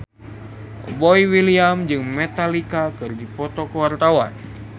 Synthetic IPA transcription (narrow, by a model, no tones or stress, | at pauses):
bɔiwiliamd͡ʒɨŋmet̪alikakɨrdipɔt̪okəwart̪awa̰n